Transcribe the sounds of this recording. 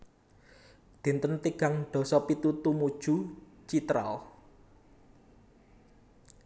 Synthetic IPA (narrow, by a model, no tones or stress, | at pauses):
d̪̥i̤nt̪ənt̪iɡ̥a̤ŋɖ̪̥ɔ̤sɔpit̪ut̪umud̥ʒ̥ṳ | t͡ʃit̪ɾa̰ɔ